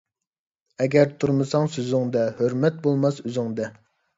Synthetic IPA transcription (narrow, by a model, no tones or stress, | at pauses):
ɛɡʲɛɾt̪ʰuɾmɨsɑŋsøzɪŋd̪ɛhøɾmɛt̪̚bolˠmɑsøzɪŋd̪ɛ